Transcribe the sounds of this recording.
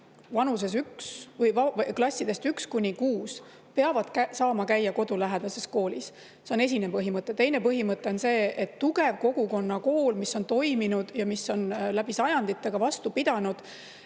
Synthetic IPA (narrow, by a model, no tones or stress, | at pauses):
vɑnus̬e̞s̬yksvɤjvɑklɑsʲːid̪̥e̞st̪ykskunʲikuːs | peɑvɑd̪̥kæsɑːmɑkæjːɑko̞d̪ulæɦed̪̥ɑse̞sko̞ːlis | se̞o̞ne̞s̬ʲinepɤɦimɤt̪ˑːe̞t̪e̞jne̞pɤɦimɤt̪ːˑe̞o̞nse̞ːet̪ːuɡe̞vko̞ɡ̥uko̞nːɑko̞ːlmisːo̞nt̪o̞jminud̪̥jɑmiso̞nlæb̥isɑjɑnd̪̥it̪ːˑe̞ɡ̥ɑvɑst̪upid̪̥ɑnud̪̥